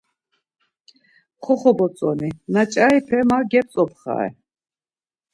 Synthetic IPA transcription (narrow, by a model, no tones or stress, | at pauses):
χɔχɔbɔt͡sʼɔninat͡ʃʼaipʰɛmaɡɛp̚t͡sʼɔpχa̰ɛ̰